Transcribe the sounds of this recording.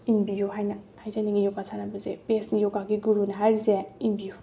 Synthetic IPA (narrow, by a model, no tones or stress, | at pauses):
imbijuɦajnɐhajzaniŋɡijɔkasʰanabɐzepesnijɔɡaɡiɡuɾunɐɦajɾizeimbiju